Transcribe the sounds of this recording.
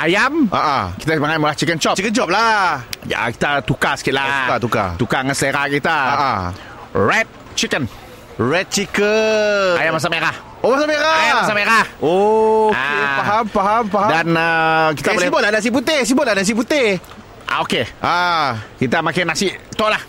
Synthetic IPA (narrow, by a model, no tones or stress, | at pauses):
ʔajamʔa̰ʔə̰ki̥t̪amaŋaməlaht͡ʃikənt͡ʃɔt͡ʃikəd͡ʒɔp̚laja̰ki̥t̪at̪ukasə̥kiɪt̪̚laukat̪uka̰t̪ukaŋansleɾakit̪aaʔə | ɹɛt̪̚ | t͡ʃikən | ɹɛt̪̚t͡ʃikəajamas̬ameɾah | omasameɾajmsameɾahokeaɦampaɦampaɦadanakit̪aboslɛibʊt̪̚lahdas̬ip̬ut̪ɪhs̬ibʊt̪̚ladas̬iʔp̬ut̪eh | ʔa̰okeʔakit̪amakanasiʔt̪ɔʔlah